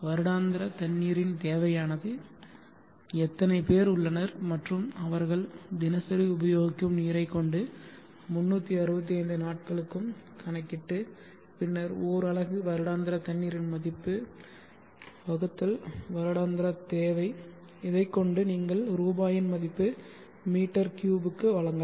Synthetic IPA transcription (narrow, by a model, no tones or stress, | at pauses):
ʋɐɾɯɽaːnd̪ɪɾɐt̪ɐnːiːɾɪnt̪eːʋɐjaːnɐðɯ | ɛt̪ːɐnɐɪpeːɾʊɭːɐnɐɾmɐʈrɯmɐʋɐɾɣɐɭd̪ɪnɐsɐɾiʊbɐjoːɣɪkːɯmniːɾɐɪkːɔɳɖɯ | mʊnːuːt̪ːiɐɾɯbɐt̪̬ːiɐɪnd̪ɯnaːʈ̚kɐɭɯkːɯmkʰɐɳɐkːɪʈːɯ | pɪnːɐɾoːɾɐɭɐɣɯʋɐɾɯɽaːnd̪ɪɾɐt̪ɐɳːiːɾɪnmɐðɪpːɯ | bɐɣɯt̪ːɐlʋɐɾɯɽaːnd̪ɪɾɐt̪eːʋɐɪ | ɪðɐɪkːɔɳɖɯniːŋɡɐɭɾuːbaːjɪnmɐðɪpːɯ | miːʈːɐɾkjuːbɯkːɯʋɐɭɐŋɡɐ